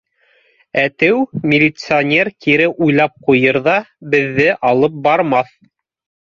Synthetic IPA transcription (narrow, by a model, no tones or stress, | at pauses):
æt̪ɘwmʲɪlʲɪt̪sɨonʲerkiɾɘʔujlˠɑp̚qujɤɾðɑbɘ̆ðːɘʔɑlˠɤp̚bɑɾmɑθ